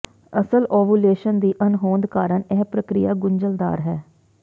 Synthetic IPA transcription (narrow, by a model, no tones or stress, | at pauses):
əsəlɔːʋuːleːʃənd̪iːʔənɦoːnd̪kaːɾəɳɛːpɾəkɾɪjaːɡʊɲd͡ʒəld̪a̰ːɾɦɛː